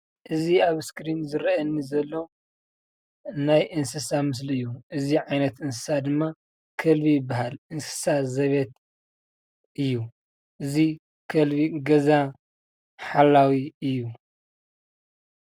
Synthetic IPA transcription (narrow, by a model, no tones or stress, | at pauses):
ʔɨziaβskɾinzɨɾɐɐnːizɐlːo̞ | najʔɨnsɨsamɨs̬liɨjːuʔɨziʕajnɐt̪ɨns̬ɨ̥sad̪ɨmːa | kʰɐlβijɪbaɦalʔɨnsɨ̥sazɐβet̪ | ʔɨjːu | ʔɨzi | kʰɐlβiɡɐza | ħalːawiɨjːu